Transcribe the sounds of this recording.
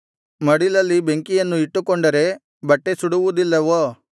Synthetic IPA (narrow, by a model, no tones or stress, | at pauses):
mɐɽilɐlːibeŋkijɐnːuiʈːukoɳɖɐɾe̞ | bɐʈːesuɽuʋud̪ilːɐʋoː